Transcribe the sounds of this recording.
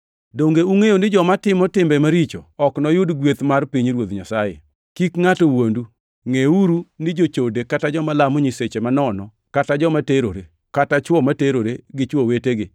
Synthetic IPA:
doŋɡeuŋejonɪd͡ʒɔmatɪmɔtɪmbɛmaɾit͡ʃo̰ɔknɔjʊdɡwet̪marpiɲɾwod̪ɲasajḛ | kikŋatowondu | ŋeuɾunɪd͡ʒot͡ʃodekatad͡ʒɔmalamɔɲɪset͡ʃemanɔnɔ | katad͡ʒɔmateɾoɾe | katat͡ʃwɔmateɾoɾeɡɪt͡ʃwoweteɡɪ

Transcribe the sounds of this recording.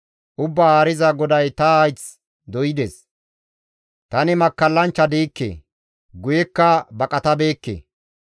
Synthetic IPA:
ʔʊbːɐaːɾɪzɐɡɔd̪ɐjt̪ɐajt͡s | d̪ɔjɪd̪ɛs | t̪ɐnɪmɐkːɐlːɐnt͡ʃːɐd̪iːkːḛː | ɡʊjɛkːɐbɐkʼɐt̪ɐbe̞ːkːḛ

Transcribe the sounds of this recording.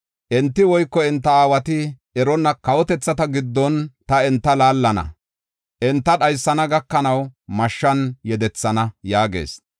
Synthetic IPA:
ʔɛnt̪ːɪwɔjkːɔɛnt̪ːɐaːwɐt̪ɪ | ɛɾɔnːɐkɐwɔt̪ɛt͡sːɐt̪ɐɡɪd̪ːɔnt̪ɐɛnt̪ːɐlaːlːɐnɐ̰ | ʔɛnt̪ːɐɗɐjsːɐnɐɡɐkːɐnɐwmɐʃːɐnjɛd̪ɛt͡sːɐnɐjaːɡḛːs

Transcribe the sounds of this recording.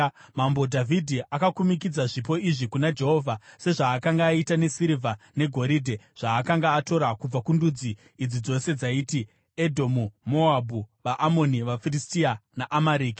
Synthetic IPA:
mambo̞dʱavʱidʱiʔakakumikid͡zaʐipo̞iʐikunad͡ʒe̞ɦo̞ːvʱase̞ʐaːkaŋɡaːitane̞siɾivʱa | ne̞ɡʱo̞ɾidʱe̞ | ʐ̥aːkaŋɡaːto̞ɾakub͡vakundud͡ziː | d͡zid͡zo̞se̞d͡zaiːti | edʱo̞mumo̞abʱuʋaʔamo̞niʋafiristianaʔamaɾiːki̥

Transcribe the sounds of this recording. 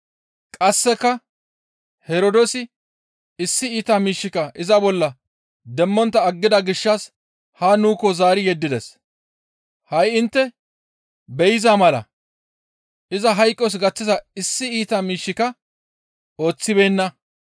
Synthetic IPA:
kʼɐsːɛkːɐ | hɛɾɔd̪ɔsɪ | ɪsːɪiːt̪amiːʃːɪkɐʔɪzɐbɔlːɐ | d̪ɛmːɔnt̪ːɐːɡːɪd̪ɐɡɪʃːɐs | haːnuːkːɔzaːɾɪjɛd̪ːɪd̪ɛs | hɐjɪnt̪ːɛ | bɛjɪzaːmɐlɐ̰ | ʔɪzɐɦɐjkʼːɔs̬ɡɐt͡sːɪzɐɪsːɪiːt̪amiːʃːɪkɐ | o̞ːt͡sːɪbe̞ːnːɐ

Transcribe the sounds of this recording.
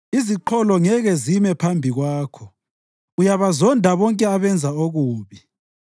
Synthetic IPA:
iziǃʰɔlɔŋɛɣɛzimɛpʰambʱiɣwaːkʰɔ | ujaβazɔndʱaβɔŋkʼɛaβɛnd͡zʱaoɣuːβi

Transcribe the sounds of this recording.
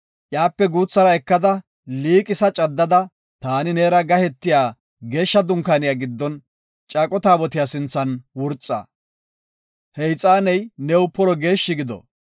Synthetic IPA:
ʔjaːpːɛɡuːt͡sːɐɾɐɛkːɐd̪ɐ | liːkʼɪsɐt͡ʃʼɐd̪ːɐd̪ɐ | t̪aːnɪneːɾɐɡɐhɛt̪ːɪjaː | ɡe̞ːʃːɐd̪ʊŋkaːnɪjaːɡɪd̪ːɔn | t͡ʃʼaːkʼɔt̪aːbɔt̪ɪjaːsɪnt͡sːɐnwʊɾt͡sʼːa̰ː | hɛjt͡sʼaːnɛjnɛwʊpɔlɔɡe̞ːʃːɪɡɪd̪ɔ̰

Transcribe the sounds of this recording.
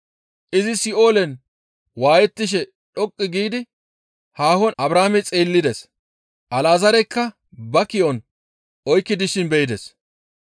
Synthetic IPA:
ʔɪzɪsɪʔo̞ːlɛn | waːjɛt̪ːɪʃ̬ɛ | ᶑɔkʼːɪɡiːd̪ɪ | haːhɔnɐbɾaːmɛt͡sʼeːlːɪd̪ɛs | ʔɐlaːzɐɾɛkːɐ | bɐkɪʔɔn | ɔjkːɪd̪ɪʃɪnbɛɪd̪ɛs

